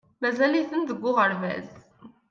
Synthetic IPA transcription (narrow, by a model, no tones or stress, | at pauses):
mæzæliθənðəɡʷːʊʁəɾvæ̰z